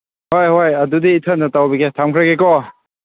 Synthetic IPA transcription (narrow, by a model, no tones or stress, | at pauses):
hojɦojɐdudiːtʰənːɐtawbiɡetʰamkʰɾaɡekɔ